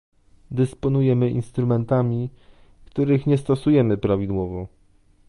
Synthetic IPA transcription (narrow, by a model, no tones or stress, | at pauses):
d̪ɘspɔnujɛmɘʔḭnst̪ɾumɛnt̪amʲi | kt̪uɾɘxɲɛst̪ɔsujɛmɘpɾavʲid̪wɔvɔ